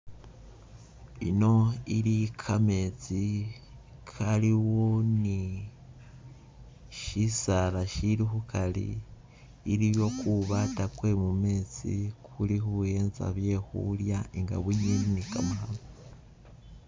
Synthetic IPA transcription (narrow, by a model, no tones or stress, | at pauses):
ḭno̞iɾikʰame̞t͡si | kʰaliwoni | ʃisalaʃiɾihukʰalḭː | ɾiβjo̞kuβatakwe̞mume̞ːt͡sḭkʰulihuje̞ːnza̰βje̞hṵljaiŋɡa̰βuɲininikamaɦalo